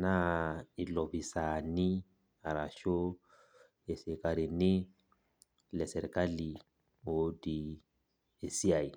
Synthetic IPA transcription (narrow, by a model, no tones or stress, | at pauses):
nailɔbisani | aɾaʃo | esekaɾini | lɛsɛɾkali | odi | esiaj